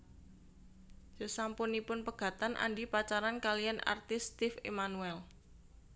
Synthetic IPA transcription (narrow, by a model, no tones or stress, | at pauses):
səsampʊnipʊnpəɡ̥ä̤t̪anʔa̰ɳɖipat͡ʃaɾankaliana̰rt̪ɪst̪ɪfemanuɛl